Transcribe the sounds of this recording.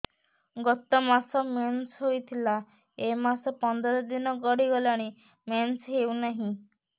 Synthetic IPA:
ɡɔt̪ɔmasɔmensɦojt̪ʰila | emasɔpɔnd̪ɔɾɔd̪inɔɡɔɽiɡɔlaɽ̃i | mensɦewnaɦĩ

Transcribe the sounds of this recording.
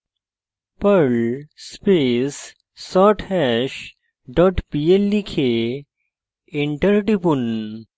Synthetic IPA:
pəɾlspesː | ɔʈʰɛʃ | ɖɔʈpielːikʰe | iɳʈəɾɖipun

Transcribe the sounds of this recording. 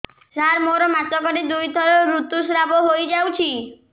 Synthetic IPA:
saɾmoɾɔmat̪ɔkɔʈid̪ujt̪ʰɔɾɔɾut̪usɾaboɦojd͡ʒawt͡ʃʰi

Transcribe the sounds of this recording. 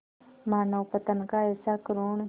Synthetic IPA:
maːnəwpət̪ənkaɛːsakɾoːɳ

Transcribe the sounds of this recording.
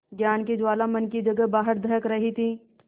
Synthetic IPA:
ɡjaːnkid͡ʒwaːlamɐnkid͡ʒɐɡəbaːɦəɾd̪ʱɐɾəkɾɐɦit̪ʰiː

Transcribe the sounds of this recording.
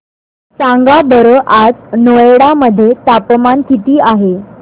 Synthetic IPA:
sãŋɡabəɾəʔad͡znoeɽaməd̪ʱːjet̪apmankit̪iːaɦe

